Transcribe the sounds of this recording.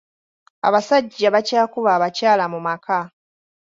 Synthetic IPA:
a̰βasaɟːaβacaːkuβaːβacaːlamumaka

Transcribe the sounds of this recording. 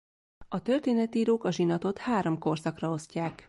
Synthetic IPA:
ɒt̪ørt̪eːnɛt̪iːɾoːkɒʒinɒt̪o̞t̪haːɾo̞mko̞rsɒkrɒo̞scaːk

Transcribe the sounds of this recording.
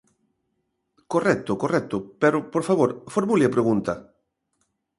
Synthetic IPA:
korɛk̚t̪okorɛk̚t̪opeɾopoɾfaβoɾfoɾmuliapɾeɣũnt̪ɐ

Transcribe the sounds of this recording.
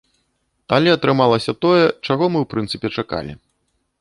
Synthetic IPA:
t̪alʲiɐt̪ɾɨmalˠɐsʲɐt̪ɔjɛt͡ʂaɣɔmɨwpɾʔɨnt̪sɨpʲɛt͡ʂaka̰lʲḭ

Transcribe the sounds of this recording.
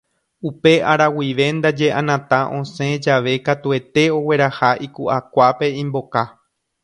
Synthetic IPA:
upe̞ʔaɾawiʋe̞nd̪ad͡ʒe̞ʔãnãt̪ãʔõsẽ̞d͡ʒaʋe̞kat̪ue̞t̪e̞o̞we̞ɾahaʔikuʔakʷape̞ĩmbo̞ka

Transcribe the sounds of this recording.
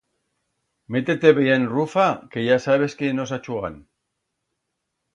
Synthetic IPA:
met̪et̪eβeenrufakejasaβeskino̞s̬at͡ʃuɣa̰n

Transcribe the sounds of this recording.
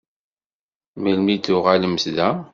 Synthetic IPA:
məlmid̪ʊʁaləməsðæ

